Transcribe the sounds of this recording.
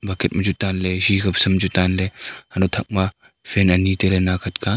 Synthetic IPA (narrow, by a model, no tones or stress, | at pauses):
bʱɐket̪̚mɐd͡ʒut̪aːnleʃiːkɐbsɐmd͡ʒut̪aːnlehɐnot̪ʰɐk̚ma | fenɐniːt̪elenaːkʰɐt̪kaːn